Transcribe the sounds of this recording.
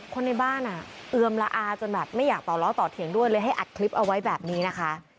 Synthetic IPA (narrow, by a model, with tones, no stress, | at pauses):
kʰo˧nːa˧jbaː˥˩nʔa˨˩ʔɯ˧əmla˧ʔaː˧t͡ɕo˧nbɛː˨˩p̚ma˥˩jaː˨˩k̚t̪ɔː˨˩lɔː˦˥t̪ɔː˨˩t̪ʰːi˧əŋdu˥˩əjlɤː˧jɦa˥˩jʔa˨˩t̪̚kʰli˦˥p̚ʔa˧wa˦˥jbɛː˨˩p̚niː˦˥na˦˥kʰa˦˥ʔ